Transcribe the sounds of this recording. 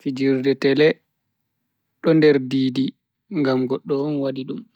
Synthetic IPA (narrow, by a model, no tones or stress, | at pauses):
fid͡ʒiɾdɛtɛlɛ | ɗɔndɛɾdiːdi | ŋɡamɡɔɗːɔɔnwadiɗum